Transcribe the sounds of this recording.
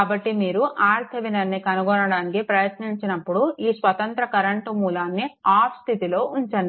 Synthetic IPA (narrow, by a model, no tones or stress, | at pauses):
aːbɐʈːimiːɾuʔaːɾt̪ʰɐʋinɐnːikɐnuɡɔnɐɽaːnikipɾɐjɐt̪niɲt͡ʃinɐpːuɽuiːsʋɐt̪ɐnt̪ɾɐkɐɾɐɳʈumuːlaːnːiaːpst̪ʰit̪ilo̞ːʔuɲt͡ʃɐɳɖi